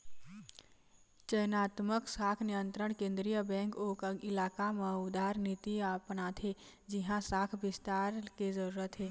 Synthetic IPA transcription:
t͡ʃəjnaːt̪məksaːkʰnijə̃nt̪ɾəɽ̃kẽːnd̪ɾijəbɛ̃ːŋkoːkəɪlaːkamẽuʊd̪aːɾnit̪iapnat̪ʰɦe | d͡ʒiɦãsaːkʰbɪst̪aːɾkezəɾuːɾət̪ɦeː

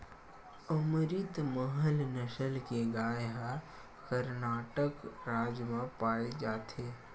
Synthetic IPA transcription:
əmɾit̪məɦəlnəʃəlkeɡaːjɦa | kəɾnaːʈəkɾaːd͡ʒmãpaːed͡ʒaːt̪ʰeː

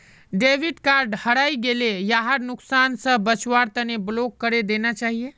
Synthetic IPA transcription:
ɖebʱiɖkaɾɖhəɽajɡelejaɦaɾnuksansə̃bət͡ʃwaɾt̪əneblokːəɾed̪enat͡ʃaɦije

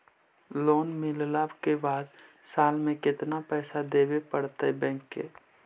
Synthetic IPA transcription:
loːnmɪllaːbkebaːd̪ | saːlmẽkɪt̪napɛːsad̪eːbepəɽt̪aɛbɛ̃ŋkːḛː

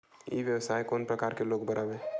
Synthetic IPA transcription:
jḭʋjəʋsaːikoːnpɾəkaːɾkeloːɡbəɾʔabẽː

